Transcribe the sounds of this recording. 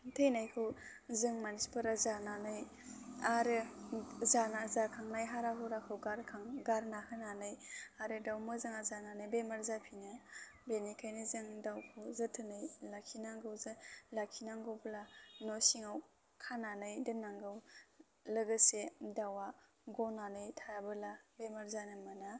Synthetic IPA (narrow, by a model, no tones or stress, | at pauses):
tʰejnajkʰɯw | zɯŋmanspʰɯɾazananɯj | aɾɯzanazakʰaŋnajɦaɾaɦʰɯwɾakʰɯwɡaɾkʰaŋɡaɾnakʰɯnanɯjaɾɯdawmɯzɯŋazananɯjbemaɾzapʰinabenikʰajnizɯŋdawkʰɯwzɯtʰɯnɯjlakʰinaŋɡɯwzɯlakʰinaŋɡɯblanɔsiŋaw | kʰananɯjdɯnːaŋɡɯw | lɯɡɯsedawa | ɡɔnanɯjtʰajabɯlabemaɾzanɯmana